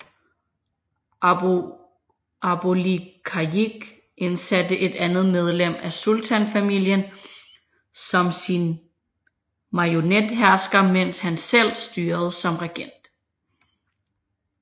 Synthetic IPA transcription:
ɑb̥olikʰɑiɡ̥ | ʔe̝nsæd̥əʔe̝d̥ænð̞̩ˠmeð̞ˠlem̰æsult͡sʰænfæmil̰jən | sɒ̽msin | mɑ̈jo̝ned̥ɦæɐsɡ̥ɐmen̰shænsel̰sd̥yːɐð̞̩ˠsɒ̽mʁeɡ̥en̰d̥

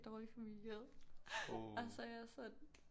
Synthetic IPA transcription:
d̥ɒːlifæmil̰jeð̰ˠ | æsɒjɑsɒn

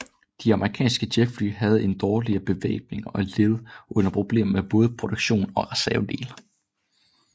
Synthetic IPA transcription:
d̥iɑ̈məʁikʰɛ̰ːnsɡ̥əd̥eɡ̥fly̰ːɦæð̞̩ˠe̝nd̥ɒːliɐb̥e̝ʋḛːb̥̚ne̝ŋɒle̝ð̩ˠʔɔ̽n̰ɐpʰʁo̝b̥le̝̰ːm̩meb̥ɔ̽ːð̞̩ˠəpʰʁo̝d̥oɡ̥ɕo̝̰ːnɒ̽ʁɛsæɐd̥e̝̰ːl

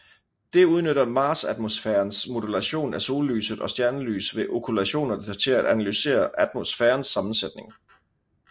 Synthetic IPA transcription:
d̥e̝uð̞ˠnøɾɐmɑ̈ːsæd̥mo̝sfeːɐnsmo̝dulæɕo̝̰ːnæso̝ːlːy̰ːsəðˠɒ̽sd̥jæɐnəly̰ːsʋe̝ʔo̝kʰulæɕo̝̰ːnɐt͡sʰe̝læd̥ænælyse̝̰ːɐʔæd̥mosfeːɐnsːɑ̈mn̩sed̥ne̝ŋ

